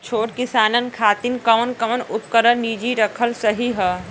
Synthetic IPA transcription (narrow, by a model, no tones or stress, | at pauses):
t͡ʃʰoːʈkɪsaːnənkʰaːt̪inkəmənkəmənʊpkəɾəɾnid͡ʒiɾəkʰəlsəɦiɦɛ